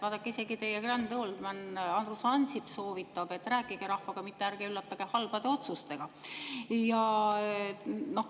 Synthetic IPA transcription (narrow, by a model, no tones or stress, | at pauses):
vɑːd̪̥ɑkːise̞ɡ̥it̪e̞jːekrænd̪ɤwld̪mænːɑnd̪rusɑnʲsipso̞ːvit̪ːˑɑb̥e̞t̪ːˑræːkːˑiɡ̥eɾɑhvɑɡ̥ɑmit̪ːeærɡ̥eylːɑt̪ːɑɡ̥e̞hɑlb̥ɑd̪̥e̞o̞t̪sust̪e̞ɡ̥ɑ | jɑ | no̞h